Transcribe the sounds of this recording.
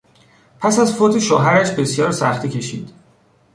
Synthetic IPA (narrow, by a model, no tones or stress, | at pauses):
pʰæsæzfot̪ʰiʃoɦæɾæʃbe̞sjɒːɾsæxt̪ʰiːcʰe̞ʃḭːd̪̥